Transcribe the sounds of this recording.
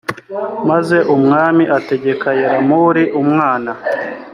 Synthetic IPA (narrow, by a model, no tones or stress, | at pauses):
maze̞ʔumŋaːmiʔate̞ɟe̞kʰajeɾamuɾiʔumŋaːna